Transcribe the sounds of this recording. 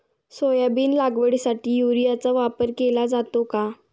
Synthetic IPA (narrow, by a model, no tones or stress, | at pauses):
sojabiːnlaɡʋəɽisaʈiːjuɾijat͡saʋapəɾkelad͡zat̪oka